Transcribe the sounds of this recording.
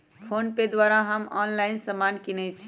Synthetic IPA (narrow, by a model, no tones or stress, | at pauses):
pʰonped̪waɾaɦəmɔ̰nlajnsəmankinɛjt͡ʃʰi̥